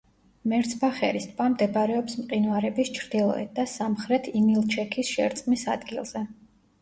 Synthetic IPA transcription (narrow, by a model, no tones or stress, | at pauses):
mɛɾt̪sʰbaχɛ̰ɾist̪ʼvamd̪ɛbaɾɛɔpsmqʼinwaɾɛbist͡ʃʰɾd̪̥ilˠɔ̰ɛ̰t̪̚d̪asamχɾɛt̪ʰimilˠt͡ʃʰɛkʰisʃɛ̰ɾt̪sʼqʼmisa̰d̪ɡilˠz̥ɛ